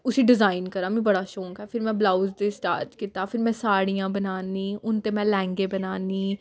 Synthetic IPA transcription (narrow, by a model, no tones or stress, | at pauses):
ʊsiːɖɪzaːɪnkəɾãːmĩbəɽaːʃõːŋkɛːpʰɪɾmɛ̃ːblaːʊzd̪esʈa̰ːɾʈkit̪aːpʰɪɾmɛ̃ːsaːɽijãːbənaːnĩːʊnt̪ẽmɛ̃lɛ̃ːŋɡeːbənaːniː